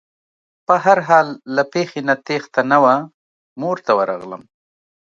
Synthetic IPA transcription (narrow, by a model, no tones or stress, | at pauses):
pəɦaɾɦɑlːapexenat̪ext̪anawa | moɾt̪awəɾɑ̰ɣlə̰m